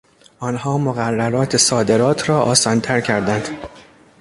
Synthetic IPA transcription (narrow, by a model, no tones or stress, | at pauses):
ʔɒːnhɒːmoɣærːæɾɒːt̪ʰe̞sɒːd̪e̞ɾɒːt̪ʰɾɒːʔɒːsɒːnt̪ʰæɾcʰæɾd̪ænd̪̥